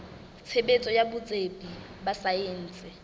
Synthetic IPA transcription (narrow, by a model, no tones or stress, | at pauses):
t͡sʰebet͡sʼɔjabʊt͡sʼepʼi | basaen̩ːt͡sʼɪ